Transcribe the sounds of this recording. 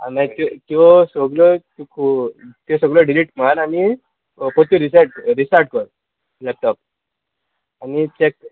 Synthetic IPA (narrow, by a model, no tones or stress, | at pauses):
a̰niat̪ɔt̪ɔɔsɔɡlɔt̪ukʰut̪ɔsəɡlɔɖiliʈm̤anani | kot̪uɾis̬aʈ̚ɾisaʈ̚kəɾ | lɛp̚ʈɔp̚ | anit͡ɕek̚